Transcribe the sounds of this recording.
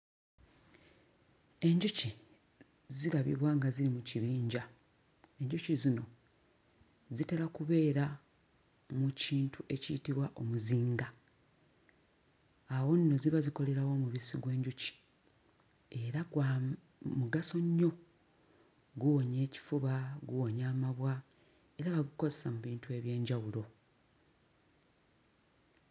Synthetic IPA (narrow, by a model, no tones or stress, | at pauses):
e̞ɲɟuci | ziɾaβḭβwaŋɡaziɾimuciβiːɲɟa | e̞ɲɟucizino̞ | zite̞lakuβe̞ːɾa | muciːntʰuʔe̞citiβwaʔo̞muziːŋɡa | wo̞nːo̞ziβaziko̞le̞ɾawo̞muβisiɡwe̞ːɲɟuci̥ | e̞ɾaɡwa | muɡaso̞ɲːo̞ | ɡuwo̞ɲe̞ːci̥fuβaɡuwo̞ɲaːmaβwa | e̞ɾaβaɡuko̞zesamuβiːntue̞βje̞ːɲɟawulo̞